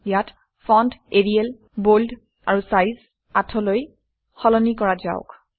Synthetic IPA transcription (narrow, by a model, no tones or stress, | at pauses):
jat | fɔndeɹiɛl | bold | a̰ɹusajz | atʰɔloj | xɔlɔnikɔɹaza̰ʊk